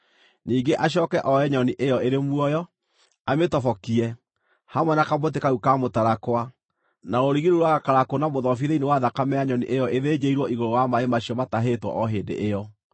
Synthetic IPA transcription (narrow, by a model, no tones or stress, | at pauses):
niːŋɡeʔaɕ̬jɔkɛʔɔɛɲɔniʔejɔeɾemwɔjɔ | ametɔfɔkiɛ | hamwɛnakabot̬ekaukamotaɾakwa | naoɾiɣiɾuɾwaɣakaɾakonamoðɔfiðeinewaðakamɛaɲɔnḭʔejɔeðeɲeiɾwɔiɣoɾowamaemaɕiɔmataɦetwɔ̰ʔɔɦeːndḛʔejɔ